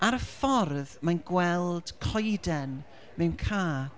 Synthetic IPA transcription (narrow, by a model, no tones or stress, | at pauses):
aɾəfɔrðmanɡwɛlˠd̥kʰɔjdɛn | mɛwnkʰaː